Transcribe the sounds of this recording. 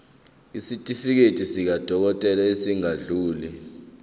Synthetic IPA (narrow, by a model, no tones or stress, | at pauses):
isitʼifik̬etʼisik̬ad̥ʱɔk̬ɔtʼɛlaesiŋaɮuːli